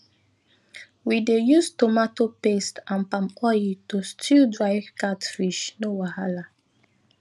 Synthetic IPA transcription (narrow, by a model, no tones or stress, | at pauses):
widejustomatopestãnpãmɔjitostʰildɹaɪvkatfiʃnowahala